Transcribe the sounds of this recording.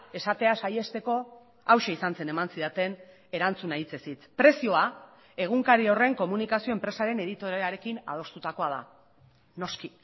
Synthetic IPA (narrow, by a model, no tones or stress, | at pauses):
e̞sat̪e̞asaje̞st̪e̞ko̞ | awʃe̞isanse̞ne̞mansiðat̪e̞n | e̞ɾant͡sunait͡se̞sit͡s̪pɾe̞sio̞a | e̞ɣ̞uŋkaɾio̞re̞ŋko̞munikasio̞empɾe̞saɾe̞ne̞ðit̪o̞ɾeaɾe̞kina̰ð̞o̞st̪ut̪ako̞að̞a̰ | no̞ski